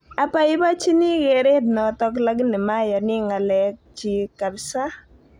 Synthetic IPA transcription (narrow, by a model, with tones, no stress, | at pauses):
a˨pa˦ɪ˦ba˦t͡ʃi˦ni˦ɡe˨ɾe˦dnɔ˨tɔ˦k̬la˦ɡni˨ma˦jɔ˨nɪ˦ŋa˨lɛ˦k̚t͡ʃi˨ka˨bsa˦